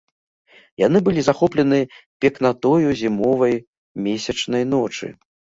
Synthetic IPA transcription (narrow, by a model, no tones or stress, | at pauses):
jan̪ɨbɨlʲizaxɔplʲɛnɨpʲɛknat̪ɔjuzʲimɔvɐj | mʲesʲɐt͡ʂnɐjn̪ɔt͡ʂɨ̰